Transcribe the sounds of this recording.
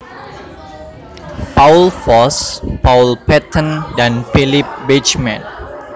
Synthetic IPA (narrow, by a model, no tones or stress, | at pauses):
paulfɔspawlpɛt̪ʰə̃ndanfilip̚bit͡ʃmɛ̃n